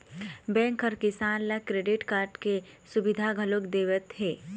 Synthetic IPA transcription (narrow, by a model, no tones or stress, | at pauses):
bɛ̃ːŋkəɾkɪsaːnlakɾeːɖɪʈkaːɾʈkesʊbɪd̪ʱaɡʱɐlokd̪eːʋət̪ɦeː